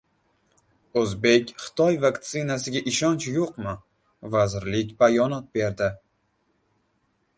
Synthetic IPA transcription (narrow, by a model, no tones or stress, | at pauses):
ɵzbe̞kʲχɨ̥t̪ʰɒjvakt̪sɪnasɪɡʲaʔɪʃɒnt͡ʃjoqmɪ | vazɾlɪkʲbajɒnɒt̪̚be̞ɾd̪ɪ